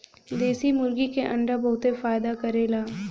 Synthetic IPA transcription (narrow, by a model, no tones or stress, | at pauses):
d̪eːsimʊɾɡikeʔɐ̃ɳɖəbɐɦʊt̪efaːjd̪akɐɾeːlaː